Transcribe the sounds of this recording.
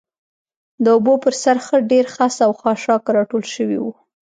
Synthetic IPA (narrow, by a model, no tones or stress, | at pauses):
d̪əobopəɾsaɾxəɖeɾxasawxɑʃɑkɾɑʈolʃəwḭwu